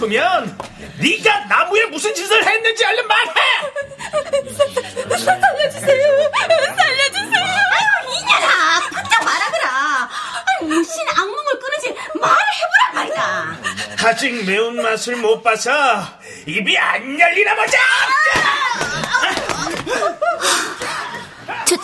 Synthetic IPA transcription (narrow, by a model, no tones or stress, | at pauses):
kɯmjʌnːiɡanamuemusʰɯnɕʰisʰɯɭhajanːɯnd͡ʑiaɭːɯnmːaɾaja | saʎːʌd͡ʑusejosaʎːʌd͡ʑisejoiaɾakʰɯnt͡ɕʰamaɾadɯɾa | juɕ͈inaŋmoŋɯɭk͈ɯnɯd͡ʑimaɾɯhebuɾamaɭtakad͡ʑik̚meunmasʰɯɭmop͈asʰʌ | ibianːaʎːinabod͡ʑa | t͡ɕ